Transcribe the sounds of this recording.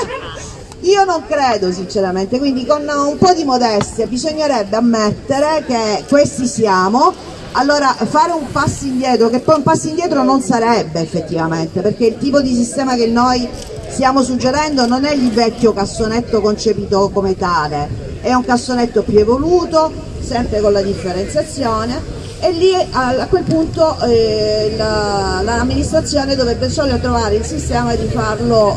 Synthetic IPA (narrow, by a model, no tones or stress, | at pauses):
iːonoŋkɾeːd̪os̬int͡ʃeɾament̪ekwind̪ikonumpɔd̪imod̪ɛst̪jabizoɲːeɾɛbːeamːet̪ːeɾekekwest̪isjaːmo | alːoːɾaʔfaːɾeumpasːiind̪jɛːt̪ɾokepːɔjumpːasːind̪jɛːt̪ɾononsaɾɛbːeːfːet̪ːivament̪eperkeilt̪iːpod̪is̬ist̪ɛːmakenːoj | st̪jaːmosud͡ʒːeɾɛnd̪ononɛilvɛkːokasːonet̪ːokont͡ʃepiːt̪okomet̪aːle | ɛuŋkasːonet̪ːopjuevoluːt̪o | sɛmpɾekonlad̪ifːeɾent̪sjat̪sːjoːneː | lːiaakːwelpunt̪o | lalaːmːinist̪ɾat̪sːjoːned̪ovɾɛbːesɔːljot̪ɾovaːɾeilsist̪ɛːmad̪ifarlo